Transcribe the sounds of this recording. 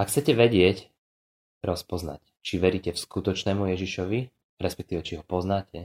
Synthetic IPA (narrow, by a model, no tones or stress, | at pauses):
akxt͡sɛcɛʋɛɟɪɛc | ɾɔspɔzna̰c | t͡ʃiʋɛɾicɛfskut̪ɔt͡ʃnɛːmujɛʒiʃɔʋi | ɾɛspɛkt̪iːʋɛt͡ʃiɦɔpɔznaːcɛ